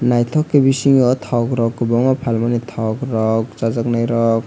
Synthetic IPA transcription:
najt̪ʰɔkːebisiŋɔt̪ʰɔkɾɔkːbɔŋɔpʰalmanit̪ʰɔkɾɔk̚t͡ʃazaknajɾɔk̚

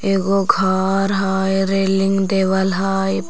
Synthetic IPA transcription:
eːɡoɡʱaːɾɦaːjɾeːlɪ̃ŋɡd̪eːʋəlɦaːj

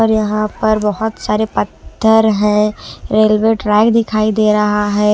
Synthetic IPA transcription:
ɔːɾjɐɦãpɐɾbɐɦʊt̪saːɾepɐt̪ʰːəɾɦɛ̃ɾeːlʋeʈɾɛːkd̪ɪkʰaːid̪eːɾɐɦaɦɛː

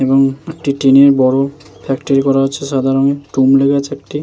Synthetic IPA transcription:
eboŋek̚ʈiʈineɾbɔɽo | pʰɛkʈoɾikɔɾaɦotːt͡ɕʰeʃad̪ʱaɾoŋeʈumleɡat͡ɕʰeek̚ʈi

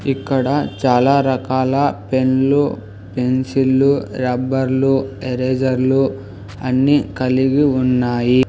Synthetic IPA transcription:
ikːɐɽɐt͡ʃaːlaːɾɐkaːlɐpe̞nlu | pe̞nsilːuɾɐbɐɾlueɾeːd͡ʒɐɾlu | ɐnːikɐliɡiunːaːji

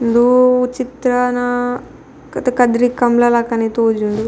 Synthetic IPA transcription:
nd̪uut͡ʃit̪ɾɐnɐ | kɐt̪ɐkɐd̪ɾikːɐmlɐlɐkɐnit̪oːd͡ʒuɳɖu

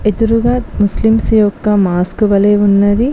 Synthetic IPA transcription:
ed̪uɾuɡaːt̪muslimsijokːɐmaːskuʋɐleːunːɐd̪i

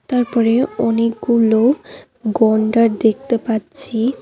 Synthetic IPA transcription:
t̪aɾpɔɾeɔnek̚ɡulo | ɡɔɳɖaɾd̪ek̚ʰt̪epat̪ːt͡ɕʰi

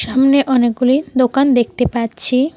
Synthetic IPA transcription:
ʃamneʔɔnek̚ɡulid̪okand̪ek̚t̪epaɾt͡ɕʰi

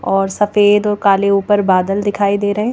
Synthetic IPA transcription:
ɔːɾsəfeːd̪ɔːɾkaːleuːpəɾbaːd̪əld̪ɪkʰaːid̪eːɾəɦẽː

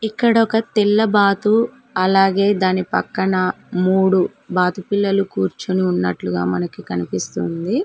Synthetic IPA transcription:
ikːɐɽɔkɐt̪ilːɐbaːt̪u | ɐlaːɡe̞ːd̪aːnipɐkːɐɳɐmuːɽu | baːt̪upilːɐlukuːɾt͡ʃuniunːɐ̰ʈluɡaːmɐnɐkikɐnipist̪und̪i

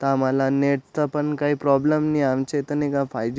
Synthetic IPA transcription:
t̪ãmalaneʈ̚t̪əpəɳkaɦiːpɾɔbləmniamt͡ɕet̪ənikãfajd͡ʒ

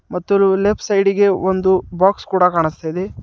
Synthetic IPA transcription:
mɐt̪ːululepʰsɐjɖiɡe̞ond̪ubaːkskuːɽɐkaːɳist̪ɐjd̪e

